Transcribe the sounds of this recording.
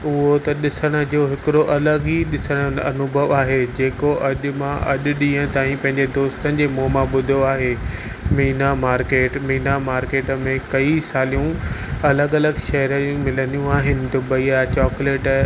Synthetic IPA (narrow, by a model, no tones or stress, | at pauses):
ʊɦot̪ɐɗɪsəɽ̃ə̆d͡ʑoːɦɪkɪɾoʔɐləɡiɗɪsəɽ̃əɐnʊbʱəʋaːɦed͡ʑeːkoʔɐʄʊ̆mãʔɐʄʊ̆ɗĩːə̃t̪aːĩpɐ̃ɦɪ̃ɲd͡ʑed̪oːst̪ənɪ̆d͡ʑeːmoːmãɓʊd̪ʱoaːɦe | miːnamaːɾkeːʈmiːnamaːɾkeːʈəmẽkɐisaːlijũɐləɡɐləɡʃɐɦəɾəũmɪlənijũaːɦɪnɪ̆d̪ʊbʱɐiat͡ɕɔːkleːʈ